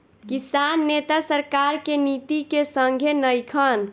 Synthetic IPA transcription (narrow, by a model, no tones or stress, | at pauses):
kisanːet̪asəɾkaɾkenit̪ikesəŋɡʱenəjkʰən